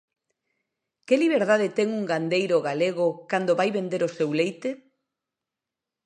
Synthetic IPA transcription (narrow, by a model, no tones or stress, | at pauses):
kɪliβeɾðaðet̪ɛŋuŋɡand̪ejɾʊɣaleɣ̞ʊkand̪oβajβend̪eɾosewlejt̪e